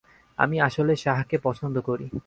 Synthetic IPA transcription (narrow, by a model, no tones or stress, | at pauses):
a̰miaʃoleʃaɦkepɔt͡ɕʰond̪ʱokoɾi